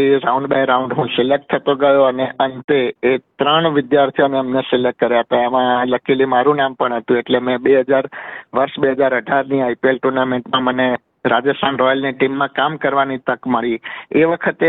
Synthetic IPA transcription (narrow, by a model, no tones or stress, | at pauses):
eɾauɳɖbajɾaũɳɖɦũsɪlek̚t̪ʰːət̪oɡəjoəneʔənt̪eːt̪ɾəɳ̃ʋɪd̪jaɾt̪ʰjoneəmnesɪlek̚ːəɾjaɦət̪aaʋãləkʰilimaɾũnampəɳɦət̪ũeʈlemɛ̃beɦəd͡ʒaɾʋəɾʃbeɦəd͡ʒaɾəɖʱaɾniajpielʈuɾnamẽɳʈmãməne | ɾad͡ʒəst̪ʰanɾɔjəlneʈimːãkamkəɾʋanit̪əkməɭieʋəkʰət̪e